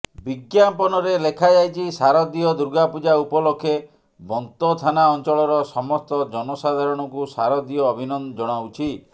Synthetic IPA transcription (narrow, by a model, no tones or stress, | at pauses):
biɡjampɔnɔɾelekʰad͡ʒajt͡ʃʰisaɾɔd̪ijɔd̪uɾɡapud͡ʒaupɔlokʰːe | bɔnt̪ɔt̪ʰanaɔnt͡ʃɔɭɔɾɔsɔmɔst̪ɔd͡ʒɔnɔsad̪ʱaɾɔɽ̃ɔkusaɾɔd̪ijɔːbʱinɔnd͡ʒɔɽ̃awt͡ʃʰi